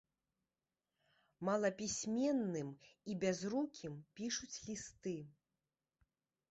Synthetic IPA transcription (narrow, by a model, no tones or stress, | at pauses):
malˠɐpʲisʲmʲɛnːɨmibʲazɾukʲʰimpʲiʂut͡sʲlʲist̪ɨ